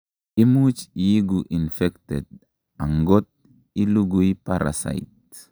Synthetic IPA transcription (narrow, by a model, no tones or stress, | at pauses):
imut͡ʃjiɡuʔinfɛktɛd̚ | aŋɡot̪̚ | iluɡuipaɾʔa̰sa̰jt̚